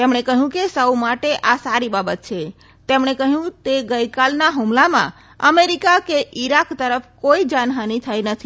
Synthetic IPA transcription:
t̪emɽekəɦjũkesəwmaʈeʔasaɾibabət̪̚t͡ʃʰe | t̪emɳekəɦjũt̪eɡəjkalnaɦumlamã̰ | əmeɾikakeʔiɾakt̪əɾəpʰkoid͡ʒanɦanit̪ʰəjnət̪ʰi

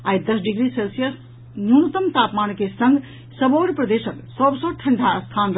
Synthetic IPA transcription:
ajd̪əsɖiɡɾiselsijəs | njunət̪əmt̪apmankesə̃ŋɡʱ | səboɾpɾəd̪esəksəbsə̃ʈʰə̃ɳɖʱaəst̪ʰan

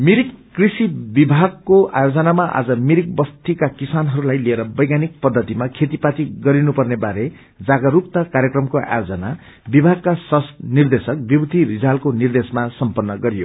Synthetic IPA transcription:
miɾikːrisibibʱaɡkoajod͡zʌnamaʔa̰d͡zʌmiɾik̚bʌst̪ikakisanɦʌɾulajlieɾʌbʌjɡanik̚pʌd̪ʱːʌt̪imakʰet̪ipat̪iɡʌɾinupʌrnebaɾe | d͡zaɡʌɾup̚t̪akaɾjekrʌmkoʔa̰jod͡zʌna | bibʱaɡ̚kaswʌst̪nird̪esʌk̚bibt̪iɾid͡zalkonird̪esmasʌmpʌnːʌɡʌɾijo̰

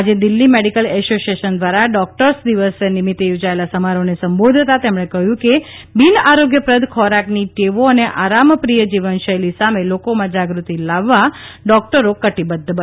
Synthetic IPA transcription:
ad͡ʒed̪ɪlːimeɽikəlɛsosieʃənd̪ʋaɾaɖɔk̚ʈəɾsd̪iʋəsenɪmit̪ːejod͡ʒaelasəmaɾonesəmbod̪ʱt̪at̪emɽ̃ekəɦjũke | binaɾoɡjəpɾəd̪ʱkʰɔɾakniʈeʋoəneʔaɾampɾijəd͡ʒiʋənʃəjlisamelokomãd͡ʒaɡɾut̪ilaʋːaɖɔk̚ʈəɾokəʈibəd̪ʱːbə

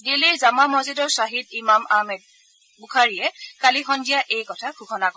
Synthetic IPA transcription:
diliɹzamamɔzidɔɹsaɦid̚imamamɛd̚ | bukʰaɹiɛkalixɔndijaʔejkɔtʰakʰukʰɔnakɔ

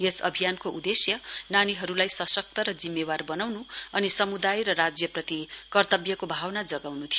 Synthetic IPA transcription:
jesʌ̰bʱijankoʔud̪esjʌnaniɦʌɾulajsʌsʌk̚t̪ʌɾʌd͡zimːebarbʌnawnuʌnisʌmud̪ajɾʌɾad͡zjʌprʌt̪ikʌrt̪ʌbjʌkobʱawnad͡zʌɡawnut̪ʰijo

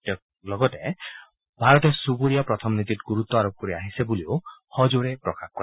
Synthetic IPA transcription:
jɔk̚ | lɔɡɔte | bʱaɾɔt̪esubuɾijapɾɔt̪ʰɔmnit̪itɡuɾut̪ːɔaɾop̚kɔɾiaɦisebuliohɔd͡ʒuɾepɾɔkʰahkɔɾa

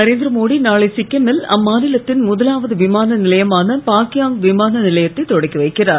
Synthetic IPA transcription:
nɐɾeːnd̪ɾɐmoːɽinaːɭɪsɪkːɐmɪlɐ̰mːaːnɪlɐt̪ːɪnmʊðɐlaːʋɐðɯʋɪmaːnɐnɪlɐjɐmaːnɐpaːkɪjaːŋɡʋɪmaːnɐnɪlɐjɐt̪ːɐɪt̪ːɔɽɐkːiʋɐɪkːɪraːɾ

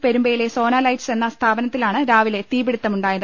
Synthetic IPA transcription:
peɾumbɐjile̞so̞ːnaːlɐjdse̞nːɐst̪ʰaːbɐnɐt̪ːilaːɳɨɾaːʋile̞t̪iːbiɽut̪ːɐmuɳɖaːjɐðɨ

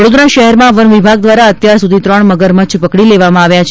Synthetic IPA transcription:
əɽod̪ɾaʃəɦɛɾmãʋənʋibʱaɡ̚d̪ʋaɾaət̪jaɾsud̪ʱit̪ɾəɳməɡəɾmət͡ʃʰpəkɽileʋamãaʋjat͡ʃʰ

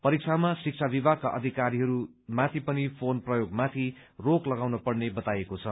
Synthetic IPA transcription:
pʌɾik̚t͡sʰamasik̚t͡sʰabibʱakaʔʌd̪ʱikaɾiɦʌɾu | mat̪ʰipʌnipʰonprʌjoɡmat̪ʰi | roklʌɡawnʌpʌrnebʌt̪ajekot͡sʰʌ

